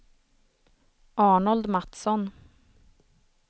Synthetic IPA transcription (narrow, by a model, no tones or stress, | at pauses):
ʔɑːɳɔld̪mat̪sɔn